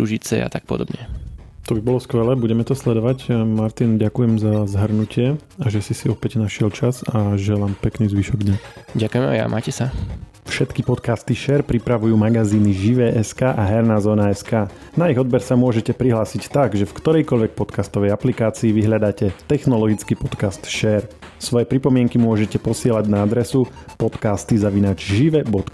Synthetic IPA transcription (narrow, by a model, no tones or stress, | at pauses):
suʒit͡sɛ̰a̰t̪ak̚pɔ̰d̪ɔ̰bɲɛt̪ɔbibɔlɔskʋɛlɛːbuɟɛmɛt̪ɔslɛd̪ɔʋacmaɾt̪inɟakujɛmzazɦr̩nucɪɛ | aʒɛsisiɔpɛɟnaʃɪɛlt͡ʃazaʒɛlaːmpɛkniːzʋiʃɔɡd̪ɲasɟakujɛma̰ja̰mʔa̰ːcɛsa | fʃɛt̪kipɔt̪kaːst̪iʃɛɾpɾipɾaʋujuːmaɡaziːniʒiʋɛːʔɛskaːʔaɦɛɾnaːzɔːnaɛskaː | naiɣɔd̪̚bɛɾsamʊɔʒɛcɛpɾiɦlaːsict̪aɡʒɛfkt̪ɔɾɛjkɔʎʋɛk̚pɔt̪kaːst̪ɔʋɛjaplikaːt͡siːʋiɦʎad̪aːcɛt̪ɛxnɔlɔɡit͡skipɔt̪kast̪ʃɛːɾsʋɔjɛpɾipɔmɪɛŋkimʊɔʒɛcɛpɔsɪɛlaɟnaad̪ɾɛsupɔt̪kaːst̪izaʋinaːd͡ʒʒiʋɛbɔt̪